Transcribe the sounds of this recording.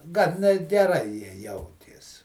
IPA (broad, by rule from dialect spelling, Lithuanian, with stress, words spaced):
ˈɡɐn nʲɛt ɡʲɛˈrɐɪ ˈjiɛ ˈjɛʊtʲeːs